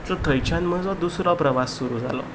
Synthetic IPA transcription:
t͡sɔt̪ʰəjt͡ɕʰanməd͡zʋad̪usɾɔpɾəʋasːuɾuːd͡za̰lɔ̰

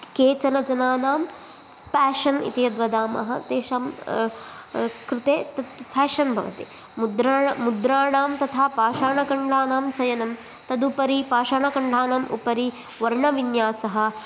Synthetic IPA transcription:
keːt͡ʃɐnɐd͡ʒɐnaːnaːm | pæːʃɐnḭt̪ijɐd̪ʋɐd̪aːmɐ̰ɦɐt̪eːʃaːm | kɾɪt̪eːt̪ɐt̪pʰɛːʃɐnbʱɐʋɐ̰t̪i | mud̪ɾaːmud̪ɾaːɳaːmt̪ɐt̪ʰaːpaːʃaːɳɐkɐɳɖʱaːnaːmt͡ʃɐjɐnɐm | t̪ɐd̪upɐɾipaːʃaːɳɐkɐɳɖʱaːnaːmṵpɐɾi | ʋɐɾɳɐʋinjaːsɐɦɐ̆

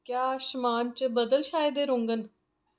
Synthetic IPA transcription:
kjaːʃmaːnt͡ʃbəd̪əlʃaːjed̪eːɾʊŋɡən

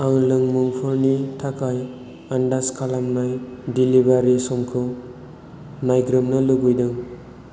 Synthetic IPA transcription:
aŋlɯŋmuŋpʰɯɾnitʰakʰaj | andaskʰalamnajdilibaɾisɔmkʰɯ | najɡɾɯmnalɯɡɯjdɯŋ

